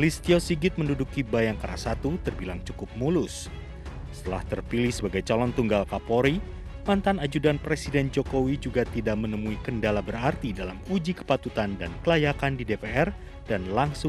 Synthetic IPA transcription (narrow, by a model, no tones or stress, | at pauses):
list̪iɔsiɡɪt̪̚məndudukibajaŋkaɾa̰sat̪ut̪ərbilaŋt͡ʃukʊp̚mulʊs | sə̥t̪əlaht̪ərpilɪhsəbaɡajt͡ʃalɔnt̪uŋɡalkapoɾi | mant̪anad͡ʒudanpɾesidɛnd͡ʒokowid͡ʒuɡat̪idaʔ̚mənəmuikəndalabəɾart̪idalamud͡ʒikə̥pat̪ut̪andankəlajakandidepeɛr | d̥anlaŋsʊŋ